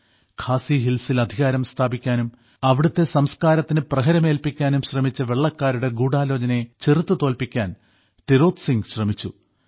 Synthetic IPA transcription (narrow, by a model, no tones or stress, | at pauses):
kʰaːsiɦilsilɐd̪ʱiɣaːɾɐmst̪ʰaːbikʲːaːnum | ɐʋiɽut̪ːe̞sɐmskaːɾɐt̪ːinɨprɐɦɐɾɐme̞ːlpikʲːaːnumɕrɐmit͡ɕːɐʋe̞ɭːɐkːaːɾuɽe̞ɡuːɽaːloːd͡ʑɐne̞t͡ɕerut̪ːut̪o̞ːlpikʲːaːn | t̪iɾo̞ːt̪siŋɡɕrɐmit͡ɕːṵ